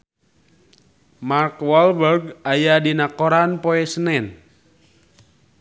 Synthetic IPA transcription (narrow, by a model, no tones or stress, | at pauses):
markwɔlbərɡajadinakoɾanpoɛsənɛn